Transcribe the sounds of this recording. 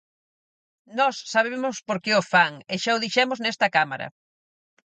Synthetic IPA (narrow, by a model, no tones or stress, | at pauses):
nɔsːaβ̞emʊspoɾkeofaŋeʃaʊðiʃɛmʊznɛst̪ɐkama̰ɾɐ̰